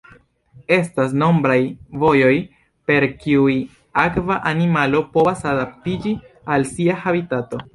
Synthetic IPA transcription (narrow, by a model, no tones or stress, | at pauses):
e̞stas̬no̞mbɾajvo̞jo̞j | pe̞ɾkiuj | akvaʔanimalo̞po̞vasadap̚tid͡ʒi | alsiahabitato̞